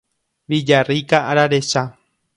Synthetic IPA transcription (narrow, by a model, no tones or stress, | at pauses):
βid͡ʒarikaʔaɾaɾeʃa